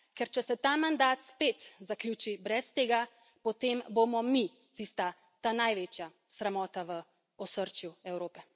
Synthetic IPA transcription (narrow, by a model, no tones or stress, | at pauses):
kɛɾt͡ʃɛsɛt̪amand̪aːt̪spet̪zaklʲjuːt͡ʃibɾɛst̪eːɡa | pɔt̪eːmbomɔmi | t̪ist̪a | t̪anajʋeːt͡ʃja | sɾɛmɔːt̪aʋə | ɔsəɾt͡ʃjuɛwɾoːpɛ